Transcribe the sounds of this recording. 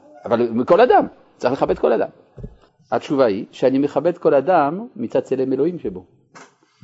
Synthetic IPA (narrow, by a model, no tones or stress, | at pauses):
avalmikɔlad̪am | t͡saʁiχleχabɛt̪kɔlad̪a̰m | at͡ʃuvaiʃeanimeχabɛt̪kɔlad̪amːit͡sad̪̚t͡selemelohimʃebo